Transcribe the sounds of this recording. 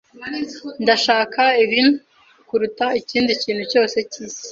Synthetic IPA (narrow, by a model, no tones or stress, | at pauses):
ndaʃaːkʰaiβinu | kuɾutaiciːndiciːnhuco̞ːse̞ciːsi̥